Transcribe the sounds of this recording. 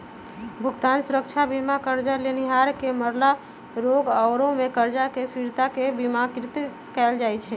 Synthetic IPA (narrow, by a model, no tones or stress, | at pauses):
bʱuɡt̪ansuɾəkt͡ʃʰabimakəɾd͡ʒaleniɦaɾkeməɾla | ɾoɡɔːɾõmekəɾd͡ʒakepʰiɾt̪akebimakɾit̪ | kɛld͡ʒajt͡ʃʰɛ